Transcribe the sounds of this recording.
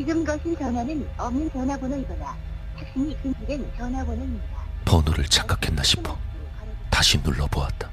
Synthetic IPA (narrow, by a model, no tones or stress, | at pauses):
t͡ɕiɡɯmɡʌsʰɯnt͡ɕʌnwanɯnʌmnɯnt͡ɕʌnɦwabonɯibʌda | tʰak̚s͈ɯnikɯnd͡ʑʰiɡent͡ɕʌnɦabonʌimdapʌnuɾɯɭt͡ɕʰḁk͈akʰe̞nːaɕʰi̥pʰo̥ | taɕʰinuɭːʌboat̚t͈ḁ